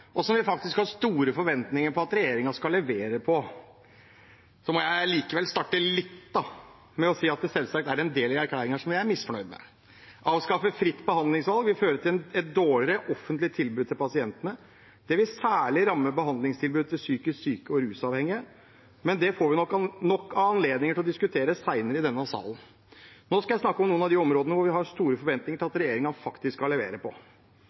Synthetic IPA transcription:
ʔɔsɔmʋɪfɑk̚t̪ɪskhɑst̪uːɾəfɔɾʋɛnt̪nɪŋəɾpʰɔɑt̪ɾɛjeːɾɪŋɑʂkɑlːɛʋeːɾəpʰɔ | sɔmɔjæɪliːkəʋɛlst̪ɑʈːəlɪt̪ːd̪ɑ | mɛɔsiːɑt̪̚d̪ɛsɛlsɑk̚t̪æɾɛnd̪eːlɪæɾkʰlæːɾɪŋɑʂɔmjæɪæɾmɪsfɔɳœʏd̪mɛ̰ | ʔɑːʋskɑfəfɾɪt̪ːbəhɑnd̪lɪŋsʋɑlˠɡʋɪføːɾət̪ʰɪlɛt̪̚d̪oːɭɪɾəʔɔfːənt̪lɪt̪ʰɪlbʉːd̪̚t̪ɪlpɑsɪɛnt̪ənə | d̪̥ɛʋɪsæːɭɪɾɑmːəbəɦɑnd̪lɪŋst̪ʰɪlbʉːd̪̚t̪ʰɪlsyːkəssyːkəɔɾʉːsɑːʋhɛŋːɪə | mɛnd̪ɛfoːɾʋɪnɔkːnɔkːɑɑnleːd̪nɪŋəʈʰɪlɔd̪ɪskʉt̪ʰeːɾəsæɪnəɾəɪd̪ɛnːɑsɑ̰ːlən̩ | noːskɑjæɪsnɑkːɔmnuːənɑʋd̪iɔmɾoːd̪ənəʋʊɾʋɪhɑɾst̪uːɾəfɔɾʋɛnt̪nɪŋəʈʰɪlɑt̪ɾɛjeːɾɪŋɑfɑkt̪ɪskːɑlːɛʋḛːɾəpʰɔ

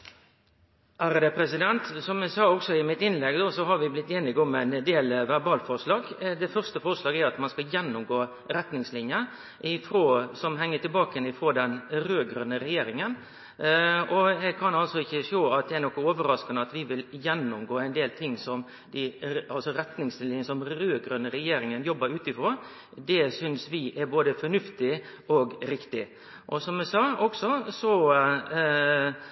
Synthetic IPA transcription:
ʔæɾd̪ɛpʰɾɛsɪd̪ɛnt̪sɔmɛɡsɑːɔksɔɪmɪt̪ɪnlɛɡd̪oːsɔɦɑɾʋɪblɪt̪ːeːnɪɡɔmæɪnd̪eːlʋæʁbɑːlfɔʁʂlɑːɡd̪ɛfœʁst̪əfɔʁʂlɑːɡæɾɑt̪mɑnskɑjɛnːʊmɡoː | ɾɛt̪nɪŋslɪnjə | ʔɪfɾoːsɔmɦɛŋːət̪ʰɪlbɑːkəjɛnɪfɾoːd̪ɛnɾøːɡɾʉnːəɾɛjeːɾɪŋən | ɔjɛɡ̚kʰɑnɑlsɔɪçːəʂoːɑt̪̚d̪ɛænɔkːɔoːʋəɾɑskɑnəɑt̪ʋɪʋɪljɛnːʊmɡoːæɪnd̪eːlt̪ʰɪŋːsɔm | d̪ɪɑlsɔɾɛt̪nɪŋslɪnəsɔmɾøːɡɾʉnːəɾɛjeːɾɪŋənjɔbːɑɾʉːt̪ɪfɾoː | d̪ɛsʏnsʋɪʔæɾboːd̪əfɔɳʉft̪ɪʔɔɡɾɪkt̪ɪ | ʔɔsɔmːɛsɑːɔksɔsɔ

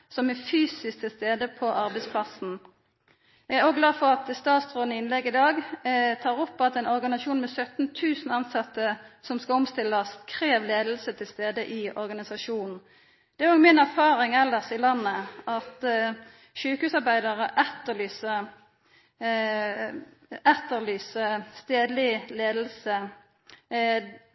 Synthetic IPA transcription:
sɔmɛfyːsɪsk̚t̪ʰɪlst̪eːd̪əpʰɔʔɑʁbɛɪspʰlɑsn̩ | jæɡæɾoːɡlɑːfɔʁɑt̪st̪ɑːt̪st̪ʁoːnəɪnlɛɡɪd̪ɑːɡt̪ʰɑːʁɔpːɑt̪ɛɪnɔʁɡɑnɪsɑʃuːnmɛsœt̪n̩t̪ʰʉːsn̩ɑnsɑt̪ːəsɔmskɑɔmst̪ɪlːəskʰʁeːʋleːd̪l̩sət̪ʰɪlst̪eːd̪əʔɪɔʁɡɑnɪsɑʂuːnn̩ | d̪̥ɛæɾɔːɡmɪnæʁfɑːʁɪŋɛlːəʁsɪlɑnːəɑt̪ | ʃʉːkhʉːsɑʁbæɪd̪əʁəʔɛt̪ːəlyːsə | ɛt̪əʁlyːsəst̪eːd̪lɪleːd̪l̩sə

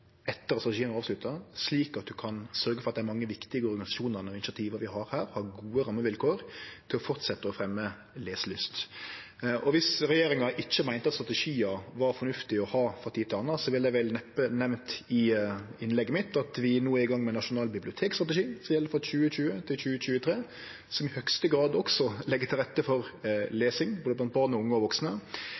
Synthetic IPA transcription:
ɛt̪ːəɾɑst̪ʁɑt̪ɛʂiːənɑːʋslʉt̪ːəsliːkɑt̪̚d̪ʉkʰɑnsœɾɡəfɔɾɑt̪d̪æɾmɑŋːəʋɪkt̪ɪɡəɔɾɡɑnɪsɑʃuːnənɔɪnɪsɑt̪ʰiːʋəɾʋɪhɑɾhæːɾhɑːɡuːəɾɑmːəʋɪlkʰoːɾt̪ʰɪlɔfɔʁt̪sɛt̪ːəɔfɾɛmːə | leːsəlyːst̪ | ʔɔʋɪsɾɛjeːɾɪŋɑʔɪçːəmæɪnt̪ɑt̪st̪ɾɑt̪ɛʂiːɑʋɑɾfɔɾnʉft̪ɪɔhɑːfɑt̪ʰiːt̪ɪlɑnːɑsɔʋɪljæʋɛlnɛpːənɛʋnt̪ɪɪnlɛɡːəmɪt̪ɑt̪ʋɪnuːɪɡɑŋːmɛnɑʂʊnɑːlbɪblɪʊt̪ʰeːkst̪ʁɑt̪ɛʂiːsɔmjɛlːəfɔɕʉːəɕʉːət̪ʰɪlçʉːəɕʉːət̪ʰɾeː | sɔmɪhœkst̪əɡɾɑːd̪ɔksɔlɛɡːət̪ʰɪlɾɛt̪ːəfɔʁleːsɪŋboːd̪əpɔlɑnəbɑːʁnɔʊŋːəɔʋɔksnə

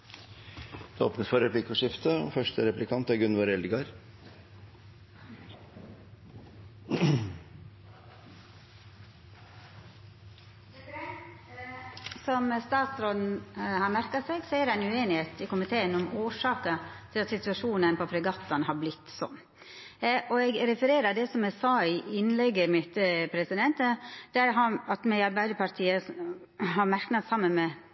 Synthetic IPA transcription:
d̪̥ɛoːpnəsfɔɾɛplɪkːəʂɪft̪əɔ̰fœʂʈəɾɛplɪkʰɑnt̪ɑɡʉnʋɔɾɛlɡɑɾ | sɔmst̪ɑːt̪sɾoːd̪nhɑɾmæɾkɑsɛɡsɔæd̪æɪnʉeːnɪheːt̪ʰɪkʊmɪt̪ʰeːənɔmoːʂɑːkət̪ʰɪlɑt̪sɪt̪ʉɑʂuːnənpɔpʰɾɛɡɑt̪ːɑnhɑɾblɪt̪ːsɔ̰m | ʔɔɛɡɾɛfəɾeːɾəɾd̪ɛsɔmɛsɑːɪɪnːlɛɡːəmɪt̪pʰɾɛsɪd̪ɛnt̪əd̪̥æɾɦɑɑt̪mɛɪɑɾbæɪd̪əpʰɑɾt̪ʰiːə | hɑɾmæɾknɑt̪sɑmːənmɛ

